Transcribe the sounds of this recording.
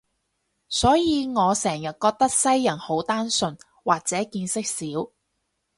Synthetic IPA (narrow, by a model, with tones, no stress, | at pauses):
sɔː˨˥jiː˨˧ŋɔː˨˧sɛː˨˩ŋjɐ˨t̚kɔː˧k̚t̪ɐ˥k̚sɐ˥jːɐ˨˩nho˨˥wt̪aː˥nsɵ˧n | waː˨k̚t͡sɛː˨˥kiː˧nsɪ˥k̚siː˨˥w